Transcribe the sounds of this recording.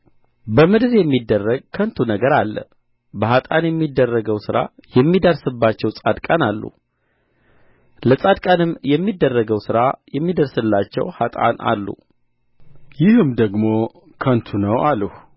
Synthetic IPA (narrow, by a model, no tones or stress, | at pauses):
bəmɨd̪ɨɾjɛmːid̪ːərːəɡkʰənt̪ʰunəɡəɾalːə̰ | bəɦat̪ʼanjɛmːid̪ːərːəɡəwsɨɾa̰jɛmːid̪əɾsɨbːat͡ʃːɛwsʼad̪kʼanalːṵ | ləsʼad̪kʼanɨmjɛmːid̪ːərːəɡəwsɨɾajɛmːid̪əɾsɨlːat͡ʃːɛ̰what̪ʼa̰na̰lːṵ | jɪhɨmd̪əɡmo̞ | kʰənt̪ʰunəwʔaləh